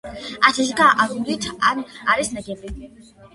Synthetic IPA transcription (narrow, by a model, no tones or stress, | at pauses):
at̪ʰɛʃ̬ɡaʔaɾud̪it̪ʰanaɾisnɛɡɛbi